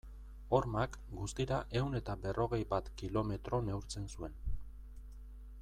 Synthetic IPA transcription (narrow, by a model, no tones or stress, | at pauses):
o̞ɾmak | ɡust̪iɾaʔe̞wne̞t̪abe̞rʔo̞ɣ̞e̞jbat̪kilo̞me̞t̪ɾo̞ne̞uwɾt͡se̞nsue̞n